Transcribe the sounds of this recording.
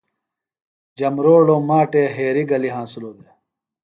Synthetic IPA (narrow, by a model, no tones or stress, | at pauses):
d͡ʑɐmɾoːɽoːmaːʈeɦeːɾiɡɐliɦãːsuloːd̪e